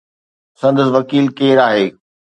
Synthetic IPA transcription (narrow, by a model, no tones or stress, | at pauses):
sɐ̃nd̪əsɪʋɐkiːlkeːɾaːɦeː